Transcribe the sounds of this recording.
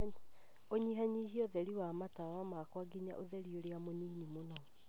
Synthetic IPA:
oɲiɦaɲihiɔðɛɾiwamatawamakwaɡiɲa̰ʔoðɛɾioɾeamoniːnimonɔ

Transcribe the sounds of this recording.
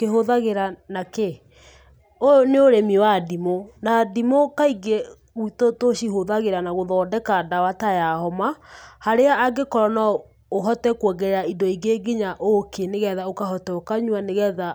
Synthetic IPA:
keɦoðaɣeɾanake | oneoɾemiwadimonadimokaiɡe | ɣitotoɕiɦoðaɣeɾanaɣoðɔːdɛkadawatajahɔmahaɾeaːɡekɔɾɔnɔ | oɦɔtɛkwɔɡɛɾɛaidɔiɡeɡiɲaʔokʰeneɣɛðaokahɔtɛokaɲwaneɣɛða

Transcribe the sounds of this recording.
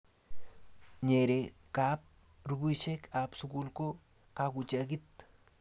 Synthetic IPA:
ɲeɾekap̚ | ɾubut͡ʃekapsukulko | kakut͡ʃaɡit̪̚

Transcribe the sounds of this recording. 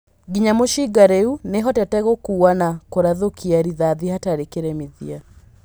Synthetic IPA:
ɡiɲamoʃiɡaɾeuneɦɔtɛtɛɣokuːanakoɾaðokiaɾiðaðihataɾekeɾɛmiðia

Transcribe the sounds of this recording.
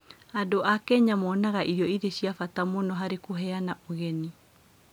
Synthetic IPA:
adoʔakɛɲamɔnaɣaʔiɾjɔiðeɕiafatamonɔɦaɾekoɦɛanaoɣɛni

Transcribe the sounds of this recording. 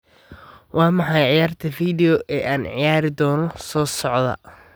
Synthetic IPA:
wʔɑːmɑħɑjʕɪjaːrt̪ʰɐfiːðɛjɔʔɛːʔaːnʕɪjaːɾɪd̪ɔːnɔsɔːsɔʕd̪ɐ̰

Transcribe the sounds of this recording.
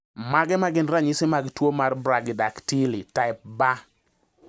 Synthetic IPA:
maɡɛmaɡɪnɾaɲɪsɪmaɡtwomarbɾaɡɪdaktilitaɪp̚ba

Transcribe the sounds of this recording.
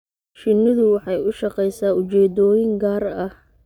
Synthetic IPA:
ʃɪnːɪðʊwɑħɑjʊʃɑqɛjsaːʊt͡ʃɛːd̪ɔːjɪŋɡaːɾɐh

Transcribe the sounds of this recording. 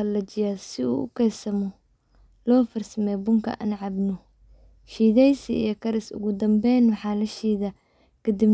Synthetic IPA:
lɐt͡ʃɪjasɪṵːʔʊ̰kʰɛsɐmɔ | lɔːfɐrsɐmɛjbʊŋkʰɐ̰ʔɐ̰nʕɑbnɔ | ʃiːðɛjsiḭjɔkʰɐɾɪsʊ̰ɣʊd̪ɐmbɛjnwɑħɑːlɐʃiːðɐ | kʰɐd̪ib

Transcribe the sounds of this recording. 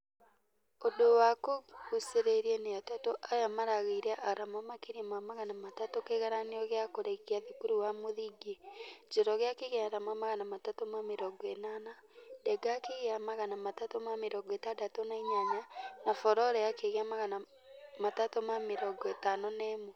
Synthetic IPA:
odowakoɣuseɾeɾieneatatoʔajamaɾaɣeiɾeʔaɾamamakiɾimamaɣanamatatokeɣaɾaneɔɣeakoɾeɣiaðekuɾuwamoðiɡed͡ʒeɾɔɣeakeɣeaɾamamaɣanamatatomameɾɔɡɔenanadɛɡakeɣeamaɣanamatatomameɾɔɡɔetadatonaiɲaɲanafɔɾɔɾɛakeɣeamaɣana | matatomameɾɔɡetanɔnɛːmo

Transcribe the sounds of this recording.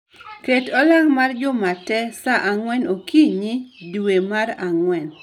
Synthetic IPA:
ketɔlaŋmard͡ʒʊmatɛsaʔaŋwɛnokiɲidwemaraŋwɛn

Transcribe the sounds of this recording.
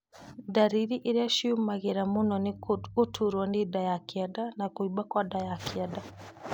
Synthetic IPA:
daɾiɾiʔeɾeaʃiumaɣeɾamonɔnotʰuɾwanedajakiadanakoibakwadajakiada

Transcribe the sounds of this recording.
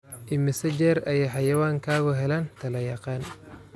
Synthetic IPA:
ʔɪmɪsɐd͡ʒɛːɾɐjɛjħɑjɐwaːŋkʰaːɣɔɦɛlaːnt̪ʰɐlɐjɐqɑːn

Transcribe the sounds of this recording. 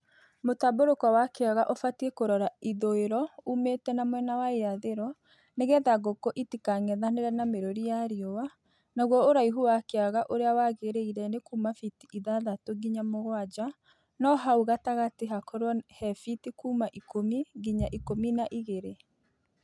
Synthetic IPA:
motaboɾokɔwakeaɣaʔofatiekoɾɔɾaiðoeɾɔumetɛnamwɛnawaeaðeɾɔ | neɣɛðaɣokoʔitikaŋɛðaneɾɛnameɾoɾijaɾiowa | naɣwɔoɾaiɦuwakeaɣaʔoɾeawaɣeɾeiɾɛnekuːmafitiʔiðaðatoɡiɲamoɣwad͡ʒa | nɔɦauɣataɣateɦakɔɾwɔhɛfitikuːmaʔikomiɡiɲaʔikominaʔiɣeɾe

